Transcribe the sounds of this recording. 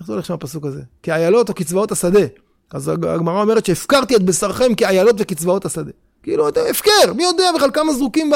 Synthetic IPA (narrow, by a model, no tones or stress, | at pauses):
χzoʁleχʃamapasukazekeajalo̞t̪o̞kit͡svao̞tasad̪e̞ | azaa̰ɡmaʁao̞me̞ʁet̪t͡ʃʃeːfkaʁt̪iet̪besaʁχe̞mkeajalo̞t̪vekit͡svaotasad̪e̞ | kiːluat̪eefkeʁmijo̞d̪eabeχalkamazʁukimb